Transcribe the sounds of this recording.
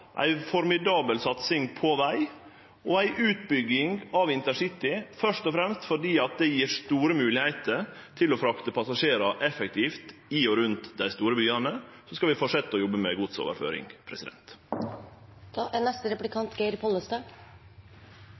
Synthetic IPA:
ʔæ̰ɪfɔɾmɪd̪ɑːbəlsɑt̪sɪŋpʰɔʋæɪ | ʔɔæɪʔʉːt̪̚bʏɡːɪŋɑʋɪnt̪əsɪt̪ɪfœʂt̪ɔfɾɛmst̪fɔɖiːɑt̪̚d̪ɛjiːɾst̪uːɾəmʉːlɪhæɪt̪ʰəɾ | t̪ʰɪlɔfɾɑkt̪əpʰɑsɑʂeːɾɑʔɛfɛk̚t̪ʰiːft̪ɪɔɾʉnt̪d̪æɪst̪uːɾəbyːɑnə | sɔskɑʋɪfɔʂɛt̪ːɔjɔbːəmɛɡʊd̪so̰ːʋə̰ɾfø̰ːɾɪ̰ŋpʰɾɛsɪd̪ɛ̰nt̪ | ʔænɛst̪əɾɛplɪkʰɑnt̪ɡeɪɾpʰɔləst̪ɑːɡ

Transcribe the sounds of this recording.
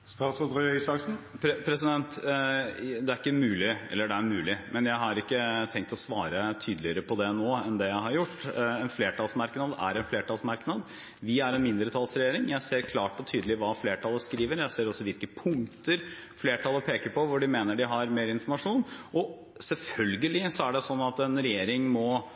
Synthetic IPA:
st̪ɑːsɔd̪ɾœœʏsɑksn̩pʰɾpʰɾɛsɪd̪ɛnt̪ | d̪ɛæɾɪkːəmʉːlɪɛ̰lːəɖɛæɾmʉːlɪmʔɛnjæɪɦɑɾɪkːət̪ʰɛŋkt̪ɔsʋɑːɾət̪ʰyːd̪əlɪəɾəpʰɔd̪ɛnoːɛnd̪ɛjæɪɦɑɾjʊʈːɛnfleːʈʰɑlsmɑɾknɑd̪æ̰ɾɛnfleːʈɑlsmɑɾknɑd̪ | ʋɪæɾɛnmɪnd̪ɾət̪ʰɑlsɾɛjeːɾɪŋjæɪseːɾkʰlɑːʈɔt̪ʰyːd̪əlɪʋɑːfleːʈʰɑlːəskɾiːʋəɾjæɪseːɾɔsːɔʋɪlkəpʰʊŋt̪əɾfleːʈʰɑlːəpʰeːkəɾpɔʋʊɖɪmeːnəɖɪɦɑɾmeːɾɪnfɔɾmɑʂuːnʔɔ | sɛlfœlɡəlɪsɔæɖɛsɔnːɑt̪ɛnɾɛjeːɾɪŋmɔ

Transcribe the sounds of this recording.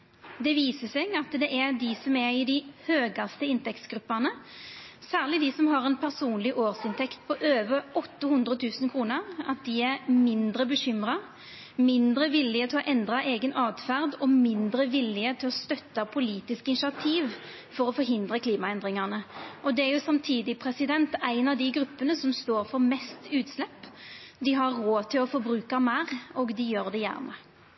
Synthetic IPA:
d̪ɛʋiːsəsɛɡɑt̪d̪ɛʔɛd̪ɪsɔmɛɾɪd̪ɪhøːɡɑst̪əɪnt̪ɛk̚t̪sɡɾʉpːæʁnə | sæːʁlɪd̪ɪsɔmɦɑʁɛnpʰæʁsuːnlɪʔoːʁsɪnt̪ʰɛkt̪̚pʰɔʔøːʋəɔt̪ːəhʉnd̪ɾət̪ʰʉːsənkʰɾuːnəʁɑ̰t̪̚d̪ɪæɾmɪnd̪ɾəbəɕʏmɾɑ | mɪnd̪ɾəʋɪlːɪət̪ʰɪlɔʔɛnd̪ʁɑʔeːɡənʔɑːd̪fæʁd̪ɔmɪnd̪ɾəʋɪlːɪət̪ʰɪlɔst̪œt̪ːɑpʰʊliːt̪ɪskɪnʂɪɑt̪ʰiːʋ | fɔɾɔfɔɾɦɪnd̪ɾəkʰliːmɑɛnd̪ɾɪŋɑʁnəʔɔd̪ɛæɾjʊsɑmt̪ʰiːd̪ɪpʰɾɛsɪd̪ɛnt̪æɪnɑʋd̪ɪɡɾʉpːənəsɔmst̪oːɾfɔɾmɛst̪ʉːt̪slɛpː | d̪ɪɦɑɾːoːt̪ʰɪlɔfɔɾbɾʉːkɑmæːɾɔɡd̪ɪjøːɾd̪ɛjæ̰ːʁnə

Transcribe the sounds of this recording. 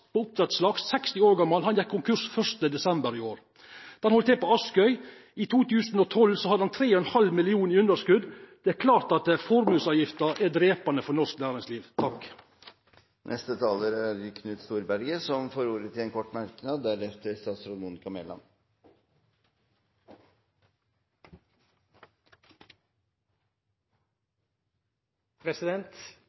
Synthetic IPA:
poʊp̚t̪ʰɾɛt̪slɑɡssɛkst̪ɪoːɾɡɑmːɑlhɑnjɛkʰːʊŋkʰʉʂfœʂt̪əd̪ɛsɛmbəɾɪoːɾ | d̪̥ɛnhɔlt̪ʰɛːpoːɑskœʏ | it̪ʰuːt̪ʰʉːsn̩ɔːt̪ʰɔlsɔhɑd̪əɑnt̪ʰɾeːɔɛnhɑlmɪlɪuːnɪʉnəʂkʉd̪d̪̥ɛæɾkʰlɑːɾt̪ɑt̪̚d̪ɛfɔɾmʉːsɑːʋjɪft̪əɾæd̪ɾeːpɑnəfɔnɔʂknæːɾɪŋsliːʋt̪ʰɑk | nʔɛst̪ət̪ʰɑːləɾæɾɪkʰnʉːt̪st̪uːɾbæɾɡəsɔmfoːɾuːɾət̪ʰɪlɛnkʰɔʈːmæɾkənɑːd̪ːæɾɛft̪əɾst̪ɑːt̪sɾʊnmuːnɪkʰɑmɛlɑ̰n | pʰɾɛsɪd̪ɛnt̪

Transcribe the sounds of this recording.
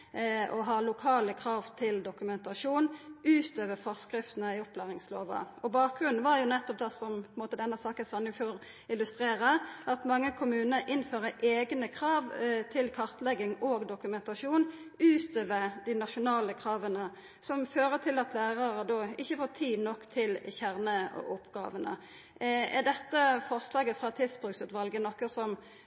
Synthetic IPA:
ɔɦɑːlʊkʰɑːləkʰɾɑːʋt̪ʰɪld̪ʊkʉmɛnt̪ɑʂuːnʉːt̪øːʋəfɔʁskɾɪft̪n̩əɪɔplæːʁɪŋslo̰ːʋɑ̰ɔbɑːk̚ɡʁʉnn̩ʋɑɾjʊnɛt̪ːɔp̚d̪ɛsɔmʰɔnmoːt̪əd̪ɛnːəsɑːkəsɑnɪŋfoːʁ | ɪlʉst̪ʁeːʁəʔɑt̪mɑŋːəkʰʊmʉːnəɾʔɪnføːʁəʔeːɡnəkʰʁɑːʋt̪ʰɪlkʰɑʁt̪lɛɡɪŋoːɡd̪ʊkʉmɛnt̪ɑʂuːn | ʉːt̪øːʋəʁd̪ɪnɑʃʊnɑːləkʰʁɑːʋənə | sɔmføːʁət̪ʰɪlɑt̪læːʁɑʁəd̪ɔɪçːəfoːt̪ʰiːʋnɔkːt̪ʰɪlçæʁnəɔ̰ʔʊpɡɑ̰ːʋənə̰ | æd̪ɛt̪ːəfɔʁslɑːɡəfʁɑt̪ʰɪlsbʁʉksʉːt̪ʋɑlɡənɔkːəsɔm

